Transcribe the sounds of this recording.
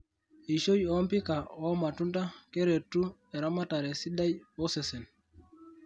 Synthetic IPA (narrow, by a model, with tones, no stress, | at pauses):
i˨ʃo˦jɔ˦mpi˦ka˨ɔ˦ma˨tu˦nta˦ke˦ɾe˨tːu˦ɛ˨ɾa˦ma˦ta˨ɾɛ˨si˦da˦jɔ˦sɛ˨sɛ˨n